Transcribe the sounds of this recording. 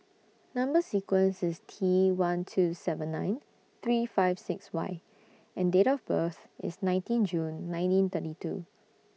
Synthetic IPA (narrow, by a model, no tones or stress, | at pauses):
nãmbəsikwə̃nsɪstʰiwãntʰusɛvə̃nːãɪ̃n | t̪ɹifaɪv̥sɪkswa̰ɪ | ɛ̃ndetɔfbəθɪ̰snãɪ̃ntĩnd͡ʒũnːãɪ̃ntĩnt̪ətitṵ